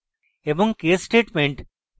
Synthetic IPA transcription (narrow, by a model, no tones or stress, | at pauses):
eʋɔ̃ŋkeːssʈeːʈmẽɳʈ